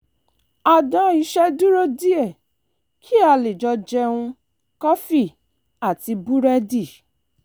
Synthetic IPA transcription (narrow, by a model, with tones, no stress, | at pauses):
a˨dã˧˦i˨˧˦ʃɛ˦du˦ɾo˦di˦ɛ˦˨ | kʰi˦a˧le˨d͡ʒɔ˧d͡ʒɛ˧hũ˧ | kɔ˦fi˦˨ | a˦˨ti˧bu˦ɾɛ˦di˦˨